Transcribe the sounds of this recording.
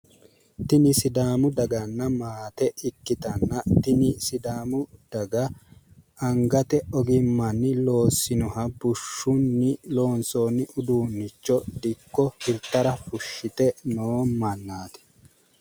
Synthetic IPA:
t̪ɪnɪsɪd̪aːmʊd̪ɐɡɐnːɐmaːt̪ɛʔɪkːɪt̪ɐnːɐt̪ɪnɪsɪd̪aːmʊd̪̥ɐɡɐ | ɐŋɡɐt̪ɛɔɡɪmːɐnːɪlo̞ːsːɪnɔhɐbʊʃːʊnːɪlo̞ːnsoːnːɪʔʊd̪uːnːɪt͡ʃːɔd̪ɪkːɔhɪɾt̪ːɐɾɐfʊʃːɪt̪ɛnoːmɐnːaːt̪ɛ̥

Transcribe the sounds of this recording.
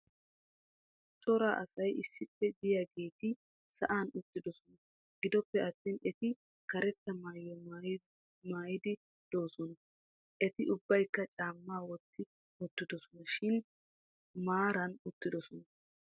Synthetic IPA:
t͡ʃ̪ʼɔɾaːʔɐsɐjʔɪsːɪpːɛd̪ɪjaːɡe̞ːt̪ɪ | sɐʔaːnʊt̪ːɪd̪ɔsɔnɐ | ɡ̥ɪd̪ɔpːɛʔɐt̪ːɪnɛt̪ɪ | kɐɾɛt̪ːɐmaːjɔ | maːjɪd̪ɪ | d̪̥o̞ːsɔnɐ | ʔɛt̪ɪʔʊbːɐjkːɐt͡ʃʼaːmːaːwɔt̪ːɪ | mʊt̪ːɪd̪ɔsɔnɐʃɪn | maːɾɐnʊt̪ːɪd̪ɔsɔnɐ

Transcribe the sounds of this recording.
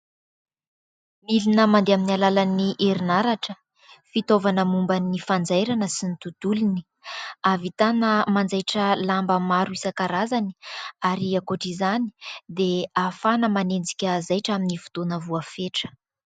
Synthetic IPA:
milinəmand̪eaminialalaniʔeɾinaɾaʈ͡ʂə | fit̪ovanəmumbanifand͡zajɾanəsinit̪ud̪̥ulini̥ | avit̪anəmand͡zajʈ͡ʂəlambəmaɾuisəkaɾazani̥aɾiakoʈ͡ʂizani̥d̪eafanəmanend͡zi̥kʲəzajʈ͡ʂaminivu̥t̪onəvuafeʈ͡ʂə̥

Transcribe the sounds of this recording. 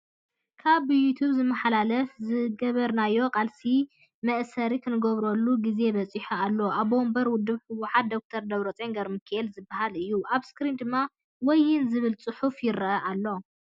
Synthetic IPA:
kʰaβjut̪ʰuβzɨmːɐħalalɐfzɨɡɐβɐɾnajːo̞kʼalsi | mɐʔsɐɾikʰɨnɨɡɐβɾolːuɡize̞βɐt͡sʼiħualːo̞ʔaβbo̞mbɐɾwʊd̪ːɨβħɨwuħat̪̚d̪o̞k̚t̪ʰɐɾd̪ɐβɾot͡sʼeŋɡɐɾmɨkʰelzɨbːahalɨjːuʔaβskɾind̪ɨmːa | wɔjːɪnzɨβɨlt͡sʼɨħufjɪɾɐʔɐʔalːo̞

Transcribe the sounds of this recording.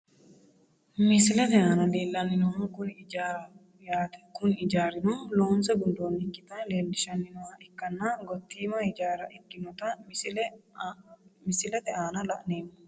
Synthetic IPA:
mɪsɪlɛt̪ɛʔaːnɐd̪eːlːɐnːɪnʊhaːkʊnaɾɐ | jaːt̪kʊnɪd͡ʒaːɾɪnɔloːnsɛɡʊnd̪oːnɪkːɪt̪ɐleːld̪ɪʃɐnːɪnʊhaːʔɪkːɐnːaɡɔt̪ːiːmɐɪd͡ʒaːɾɐʔɪɡːɪnɔt̪ɐmɪl | mɪsɪlɛt̪ɛʔaːnɐlɐ̰ʔneːmːɔ̥

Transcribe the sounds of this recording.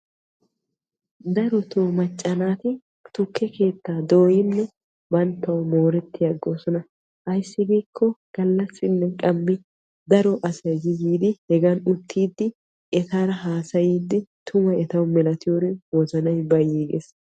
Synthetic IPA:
d̪ɐɾɔt̪oːmɐt͡ʃʼːɐnaːt̪ɪ | t̪ʊkːɛke̞ːt̪ːaːd̪oːjɪnːɛ | bɐnt̪ːɐwmo̞ːɾɛt̪ːɪjɐɡːo̞ːsɔnɐ | ʔɐjsːɪbiːkʰːɔɡ̥ɐlːɐsːɪnːɛkʼɐmːɪ | d̪ɐɾɔʔɐsɐjd͡ʒɪziːd̪ɪhɛɡanʊt̪ʰːiːd̪ːɪ | ʔɛt̪aːɾɐɦaːsɐjiːd̪ːɪt̪ʰʊmɐjɛt̪ɐwmɛlɐt̪ɪjoɾɪwɔzɐnɐjbɐjiːɡḛs

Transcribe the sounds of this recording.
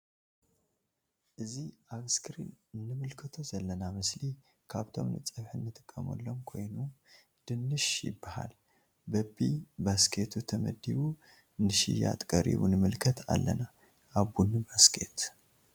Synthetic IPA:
ʔɨziʔaɡskʰɨɾḭnɨnːɨmɨlkʰɨt̪ʰozɐlːənamɨsli | kʰaβt̪ʰo̞̰mnɨt͡sʼɨβħɨnːɨt̪ʼɨ̥kʼːəmo̰lːo̞mkʰo̞̰jnu | d̪̥ɨnːɨʃjɪ̰bːaha̰l | bɐbibaskʰe̞t̪ʰut̪ʰəmə̰d̪iβu | nɨʃḭja̰t̪ʼkʼəɾḭβunɨmɨlkʰət̪ʰa̰lːəna | ʔabunːibaskʰe̞̰t̪

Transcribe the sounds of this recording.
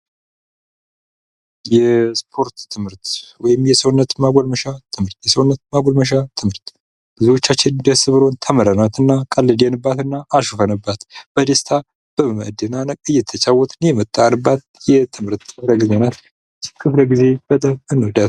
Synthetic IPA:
jɛspʰo̞ɾt̪ʰːɨmhɨɾt̪wɔjɪmjɛsəwnːət̪maɡʷolməʃat̪ʰɨmhɨɾt̪jɛsəwunːət̪maɡʷolməʃ̬at̪ʰɨmhɨɾt̪ | lɨziwo̞t͡ʃːat͡ʃːɪnd̪əsɨβɨɾo̞nt̪ʰəməɾənat̪ɨnːakʼəlːɨd̪enɨbːat̪ɨnːaʔːʃufənɨbːat̪b̥əd̪est̪ʰa | b̥əməd̪ənanəkʼɨjːɛt̪ʰːət͡ʃʼawːɔt̪ʰʼɨnjɛmɨt̪ʼːanɨbːat̪̚jɛt̪ʰɨmhɨɾt̪kʰɨfləɡizenat̪ | kʰɨfləɡize̞b̥ət̪ʼəmɨnːud̪at̪

